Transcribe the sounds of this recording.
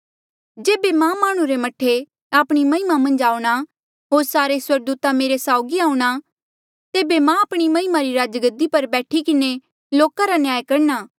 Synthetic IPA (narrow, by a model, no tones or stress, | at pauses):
d͡ʒeːbemãmaːɽ̃ũɾemɐʈʰːe | aːpɽ̃imɐɦɪmamɐ̃nd͡ʒaːũɽ̃a | ɦoːɾsaːɾeswɐɾɡ̚d̪uːt̪ameːɾesaːʊɡiaːũɽ̃a | t̪eːbemãaːpɽ̃imɐɦɪmaɾiɾaːd͡ʒɡəd̪ipɐɾbɛːʈʰikɪne | loːkaɾanɪjaːjkɐɾnaː